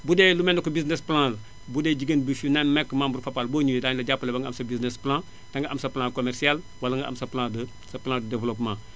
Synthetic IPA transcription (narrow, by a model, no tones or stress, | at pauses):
budɛlumɛndɐkubiznesplãːlɐ | budɛːɟiɡənbifunenmɛkːmãmbuɾfapalboːɲuwidaːɲlɐɟapːɐlebaŋɡʔamsɐbiznesplãː | taŋɡaʔamsɐplãkomɛrsial | walɐŋɡaʔa̰msɐplãːdə | sɐplãdədevlopmãː